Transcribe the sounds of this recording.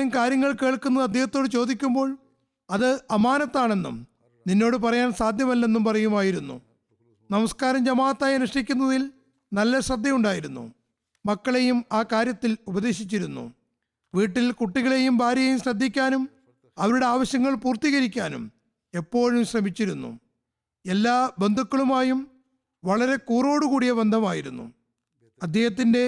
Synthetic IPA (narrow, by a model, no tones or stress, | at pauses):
mkaːɾjɐŋːɐɭke̞ːɭkunːɐðɐd̪ʱjehɐt̪ːo̞ːɽɨt͡ɕo̞ːd̪ikʲːumbo̞ːɭ | ɐðɨɐmaːnɐt̪ːaːɳe̞nːṵm | ninːo̞ːɽɨp̬ɐrɐjaːnsaːd̪ʱjɐmɐlːɐe̞nːumpɐrɐjumaːjiɾunːṵ | nɐmɐskaːɾɐmd͡ʑɐmaːɐt̪ːaːjɐnuʂʈikʲːunːɐðil | nɐlːɐɕrɐd̪ʱjɐmuɳɖaːjiɾunːṵ | mɐkːɐɭe̞jumaːkaːɾjɐt̪ːilubɐðe̞ːɕit͡ɕːiɾunːṵ | ʋiːʈːilkuʈːiɣɐɭe̞jumbʱaːɾjɐjumɕrɐd̪ʱːikʲːaːnum | ɐʋɐɾuɽe̞aːʋɐɕjɐŋːɐɭpuːrt̪iːɣɐɾikʲːaːnṵm | e̞pːo̞ːɻumɕrɐmit͡ɕːiɾunːṵ | e̞lːaːbe̞nd̪ʱukːɐɭumaːjum | ʋɐɭɐɾe̞kuːro̞ːɽukuːɽijɐbe̞nd̪ʱɐmaːjiɾunːṵ | ɐd̪ʱjeːhɐt̪̬ːinde̞